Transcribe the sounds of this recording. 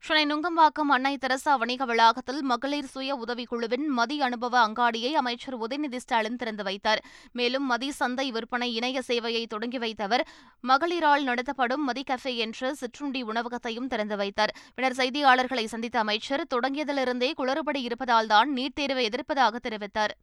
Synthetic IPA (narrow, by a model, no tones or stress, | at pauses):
ʂɪnɐɪnʊŋɡɐmbaːkːɐmɐnːɐɪt̪ːɪɾɐsaʋɐɳɪɣɐʋɪɭaːɣɐt̪ːɪlmɐɣɐɭiːɾsʊjɐʊðɐʋikʊɭɯʋɪnmɐðiɐnɯbɐʋɐːŋɡaːɽɪjɐɪɐmɐɪt͡ʃːɐɾʊðɪnɪðɪsʈaːɭɪnt̪ɪɾɐnd̪ɯʋɐɪt̪ːaːɾmeːlɯmːɐðisɐnd̪ɐɪʋɪɾpɐɳɐɪɪnɐjɐseːʋɐjɐɪt̪ɔɽɐŋɡiʋɐɪt̪ːɐʋɐɾ | mɐɣɐɭiːɾaːɭnɐɽɐt̪̬ːɐpːɐɽɯmːɐðikɐfeːɛndrɯsɪʈrʊɳɖiʊɳɐʋɐɣɐt̪ːɐjɯmt̪ɪɾɐnd̪ɯʋɐɪt̪ːaːɾpɪɳɐɾs̬ɐɪðɪjaːɭɐɾɣɐɭɐɪsɐnd̪ɪt̪ːɐːmɐɪt͡ʃːɐɾt̪ɔɽɐŋɡɪjɐðɪlɪɾɯnd̪eːkʊɭɐɾɯp̬ɐɽiɪɾɯpːɐðaːld̪aːnniːʈ̚t̪eːɾʋɐɛðɪɾpːɐðaːɣɐt̪ːɛɾɪʋɪt̪ːaːɾ